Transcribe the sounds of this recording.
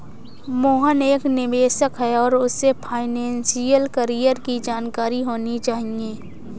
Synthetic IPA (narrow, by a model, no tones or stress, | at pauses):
moːɦəneːknɪʋeːsəkɦɛɔːɾʊsːepʰaːɪnɛ̃ːnsijəlkəɾijəɾkid͡ʒaːnkaːɾiɦoːnit͡ʃaːɦiẽː